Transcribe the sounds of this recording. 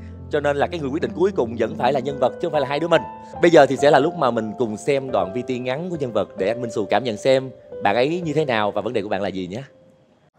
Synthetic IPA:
t͡ɕɔ˧ne˧nlaː˨˩kaː˦jŋɨ˨˩kw̚ɗḭ˧˨ŋku˨˦əjkʊ˨˩ŋ͡mzə̰˧˥nfaː˧˩jlaː˨˩ɲə˧nvə˨˩t̚t͡ɕɨ˧˦˥faː˧˩laː˨˩˧jɗɨ˨˦əmï˨˩ŋ̟ | ɓə˧jzəː˨˩t̪ʰi˨˩sɛ̰˧˥laː˨˩lʊ˦˥k͡p̚maː˨˩mï˨˩ŋ̟kʊ˨˩ŋ͡msɛ˧mɗwa̰ː˧˨nvi˧t̪i˧ŋa˨˦nku˧˩əɲə˧nvə˨˩t̚ɗe˧˩ʔa˧jŋmi˧ŋ̟sṵ˧˩kaː˧˩mɲə̰˧˨nsɛ˧mɓa̰ː˧˨nʔə˨˦jɲɨ˧t̪ʰe˨˦naː˨˩wvaː˨˩və˨˦nɗe˨˩kɓaː˧˨laː˨˩zi˨˩ɲaː˨˦

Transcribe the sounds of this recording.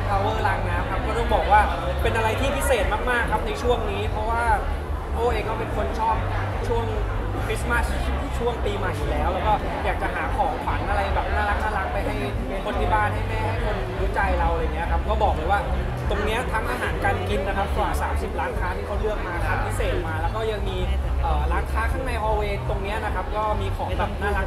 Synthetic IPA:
a˥˩ʔoː˧˦˧la˨˩ŋnaː˦˥mkʰa˦˥p̚kʰo˧nt̪ɔː˥˩bɔː˨˩k̚waː˥˩pe˧nʔa˧ɾa˧jt̪ʰiː˥˩pʰi˦˥seː˨˩t̪̚maː˥˩k̚maː˥˩kʰːa˦˥p̚na˧jt͡ɕʰu˥˩əŋniː˦˥pʰɾɔ˦˥waː˥˩ | ʔoː˧˩ʔeː˧ŋkʰa˦˥wpe˧nkʰo˧˥nt͡ɕʰɔː˥˩m̚ | t͡ɕʰu˥˩əŋ | fʰi˦˥sma˥˩st͡ɕʰu˥˩əŋpiː˧maː˧˦juː˨˩lɛː˦˥wlɛː˦˥wkɔː˥˩ | jaː˨˩k̚t͡ɕa˨˩ɦaː˩˦kʰɔː˩˦ŋkʰa˩˦nʔa˧ɾa˧jbɛː˨˩p̚naː˥˩la˦˥k̚sa˧la˨˩ŋpa˧jɦa˥˩j | kʰo˧nːi˦˥baː˧nɦa˥˩jmɛː˥˩ha˥˩jkʰo˧˥n | juː˦˥t͡ɕa˧jɾa˧wja˨˩ŋːi˦˥a˨kʰa˦˥p̚kɔː˥˩bɔː˨˩k̚bɛ˨˩waː˥˩ | t̪o˧ŋni˦˥ɐt̪ʰaː˧ŋʔa˧ɦaː˩˦nka˥˩nki˧nːa˦˥kʰa˦˥p̚kwaː˨˩saː˩˦msi˨˩p̚laː˦˥nkʰaː˦˥t̪ʰiː˥˩kʰa˦˥wlɯ˥˩ək̚maː˧kʰaː˨˩˦pʰi˦˥seː˨˩t̪̚maː˧lɛː˦˥wkɔː˥˩ja˨˧˩ŋmiː˧ʔəː˨˩laː˦˥nkʰaː˦˥kʰa˥˩ŋna˧jʔɔː˧weː˧t̪o˧ŋni˦˥ɐna˦˥kʰa˦˥p̚kɔː˥˩miː˧kʰɔː˩˦ŋbɛː˨˩p̚naː˥˩la˦˥

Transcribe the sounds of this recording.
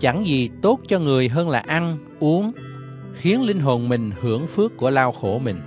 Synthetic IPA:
t͡ɕa˧˩ŋzi˨˩t̪o˦˥t̚t͡ɕɔ˧ŋɨ˨˩əjɦəː˧nlaː˨˩ʔa˧n | ʔu˨˦əŋ | xi˨˦ənlï˧ŋ̟ɦo˨˩nmï˨˩ŋ̟hɨ˧˩əŋfɨ˦˥əkːu˧˩əlaː˧wxo˧˩mï˨˩ŋ̟

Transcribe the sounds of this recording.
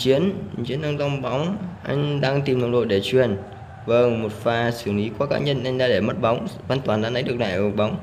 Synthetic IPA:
t͡ɕi˨˦ənt͡ɕi˨˦ənːaː˧ŋza˧wŋ͡mɓa˨˦wŋ͡mʔa̰˧jŋ̟ɗaː˧ŋt̪i˨˩mnə˨˧˩wŋ͡mɗo̰˧˨jɗe˧˩t͡ɕwi˨˩ən | və˨˧˩mo˨˩t̚faː˧˩sɨ˧˩əŋʔi˨˦kwkaː˦˥ɲə˧nʔa˧jŋ̟ɗaː˧ɗe˧˩mə˦˥t̚ɓa˨˦wŋ͡mvaː˧nt̪waː˨˩nzaː˧nə˨˦jɗɨ˨˩ək̚na̰ː˧˨j̚ɓa˨˦wŋ͡m

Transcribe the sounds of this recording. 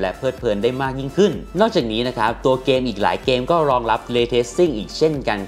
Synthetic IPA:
lɛ˦˥pʰɤː˥˩t̪̚pʰɤː˧ndaː˥˩jmaː˥˩k̚ji˥˩ŋkʰɯ˥˩nnɔː˥˩k̚t͡ɕaː˨˩k̚niː˦˥na˦˥kʰa˦˥p̚t̪u˧ɐkeː˧mʔiː˨˩k̚la̰ː˩˦jkeː˧mkɔː˥˩ɾɔː˧ŋɾa˦˥p̚leː˧t̪ʰe˦˥ssi˥˩ŋʔiː˨˩k̚t͡ɕʰe˥˩nka˧n

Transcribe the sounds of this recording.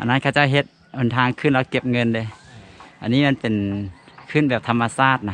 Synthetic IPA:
ʔa̰˨na˧˥˨kʰaː˧wt͡ɕa˧˥˩wɦe˧t̪̚ | ʔo˨˩nt̪ʰaː˧ŋkʰɯː˧˥˨nlaː˧˥˩ke˧˥p̚ŋɤ˧nde˧˦ʔa̰˨nːiː˧˥˨ma˧˥npe˨˩nkʰɯː˧˥˨nbɛː˨˩p̚t̪ʰa˧mːa˧saː˧˥˩t̪̚na˧

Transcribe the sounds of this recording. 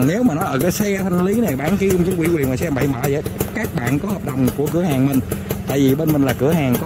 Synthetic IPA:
ne˨˦wmaː˨˩nɔ˨˦jʔəː˧˩kaː˨˦jsɛ˧t̪ʰa˧ŋ̟li˨˦nɛ˨˩ɓaː˧˩nki˧˦ə˧wŋ͡mt͡ɕɨ˨˦wi˧˩kwi˨˩nmɔː˨˩sɛ˧mɓa̰˧˨jɓaː˧˩zə̰ː˧˨jkaː˦˥k̚ɓa̰ː˧˨nkɔ˨˦həː˨˩p̚ɗə˨˩wŋ͡mku˧˩əkɨ˧˩əhaː˨˩ŋmï˨˩ŋ̟t̪a̰ː˧˨jvi˨˩ɓe˧nmi˨˩ŋlaː˨˩kɨ˧˩əhaː˨˩ŋkɔ˨˦

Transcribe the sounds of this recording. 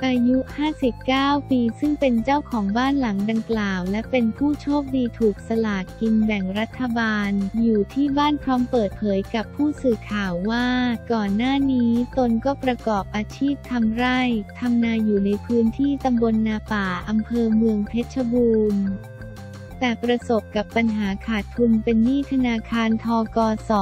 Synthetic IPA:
ʔaː˧ju˦˥ʔhaː˥˩si˨˩p̚kaː˥˩wpiː˧sɯ˥˩ŋpe˧nt͡ɕa˥˩wkʰɔː˩˦ŋbaː˥˩nla˩˦ŋda˧ŋklaː˨˩wlɛ˦˥pe˧npʰuː˥˩t͡ɕʰoː˥˩p̚diː˧t̪ʰuː˨˩k̚sa˧laː˨˩t̪̚ki˧nbɛ˨˩ŋɾa˦˥t̪ʰːa˧baː˧njuː˨˩t̪ʰiː˥˩baː˥˩npʰɾɔː˦˥mpɤː˨˩t̪̚pʰɤː˩˦jka˨˩pʰːuː˥˩sɯː˨˩kʰaː˨˩˦wːaː˥˩kɔː˨˩nːaː˥˩niː˦˥t̪o˧nkɔː˥˩pɾa˧kɔː˨˩p̚ʔaː˧t͡ɕʰiː˥˩p̚t̪ʰa˧mɾa˥˩jt̪ʰa˧mnaː˧juː˨˩na˧jpʰɯː˦˥nt̪ʰiː˥˩t̪a˧mbo˧nːaː˧paː˨˩ʔa˧mpʰɤː˧mɯ˧əŋpʰe˦˥t̪̚t͡ɕʰa˧buː˧n | t̪ɛː˨˩pɾa˧so˨˩p̚ka˨˩pːa˧nɦaː˩˦kʰaː˨˩t̪̚kʰːu˧npe˧nːiː˥˩t̪ʰa˧naː˧kʰaː˧nt̪ʰɔː˧kɔː˧sɔ˨˩˦

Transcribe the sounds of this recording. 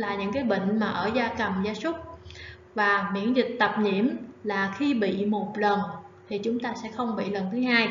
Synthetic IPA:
laː˨˩ɲɨ̰˧˥ŋkaː˨˦jɓə̰˧˨ŋ̟maː˨˩ʔəː˧˩zaː˧kə˨˩mzaː˧sʊ˦˥k͡p̚ | vaː˨˩mḭ˧˨˥ənzï˨˩k̚t̪ə˨˩p̚ɲḭ˧˨əmlaː˨˩xi˧ɓḭ˧˨mo˨˩t̚lə˨˩n | t̪ʰi˨˩t͡ɕʊ˨˦ŋ͡mt̪aː˧sɛ̰˧˥xə˧wŋ͡mɓḭ˧˨lə˨˩nt̪ʰɨ˨˦ɦaː˧j

